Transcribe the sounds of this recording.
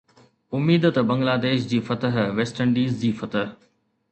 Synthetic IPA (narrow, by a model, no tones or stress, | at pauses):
ʊmiːd̪ət̪bɐ̃ŋɡlaːd̪eːʃd͡ʑiːfɐt̪əɦʋeːsʈəɳɖiːzd͡ʑiːfɐt̪əɦ